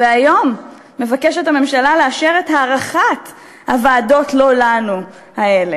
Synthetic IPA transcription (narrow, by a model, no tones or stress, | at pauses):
veajo̞mː | e̞vakeʃethame̞mʃalaleaʃeʁethaːʁaχat | havaːdo̞tlo̞lanu | hae̞le